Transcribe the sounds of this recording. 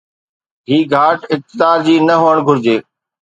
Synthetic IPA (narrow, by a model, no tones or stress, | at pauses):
ɦiːɡʱaːʈɪk̚t̪ɪd̪aːɾd͡ʑiːnəɦoːəɽ̃ɡʱʊɾd͡ʑeː